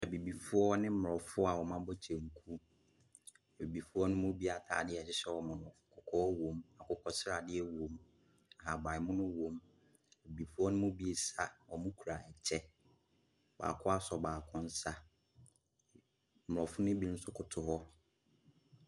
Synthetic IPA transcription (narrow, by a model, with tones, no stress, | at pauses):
ɛ˨bi˨bi˨fʊ˦ɔ˦nɪ̃˦m̩˦mʊ˨ɔ˨fʊ˦a˨wɔ˨mã˦bɔ˦t͡ɕʰɛ̃˨ŋ̩˨kʰu˦˨ | bi˨bi˨fʊ˦ɔ˦nʊ̃˦mʊ̃˦bi˦a˨tʰa̰ː˨dɪ˦ɛ˨ɕɪ˦ɕɛ˦wɔ˨mʊ̃˨nʊ̃˨fʊ˨kʰʊ˨kʰɔ˦wõ˨ma˨kʰʊ˦kʰɔ˦sɪ˦ɾa˨dɪ˦ɛ˦wõ˨m | a˨ha˨ba˨ɪ˨mʊ̃˦nʊ̃˦wõ˨m | ɛ˨bi˨bi˨fʊ˦ɔ˦nʊ̃˦mʊ̃˦bi˦e˨sa˦wɔ˨mʊ̃˦kʰu˨ɾa˨ɛ˨t͡ɕʰɛ˦ | ba̰ː˨kʰʊ˦a˦sɔ˨baː˨kʰʊ̃˦n̩˦sa˦ | m˨ʊ˨ɔ˨fʊ˦nʊ̃˦bi˦ñ̩˦sʊ˦kʰʊ˨tʰʊ˨hɔ˦